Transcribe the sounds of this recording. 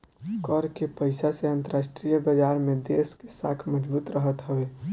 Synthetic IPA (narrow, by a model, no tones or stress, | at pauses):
kəɾkepəɪsaseə̃nt̪əɾaːʃʈɾijabəd͡ʒaːɾmẽd̪eːskesaːkʰməd͡ʒbuːt̪ɾəɦət̪ɦəweː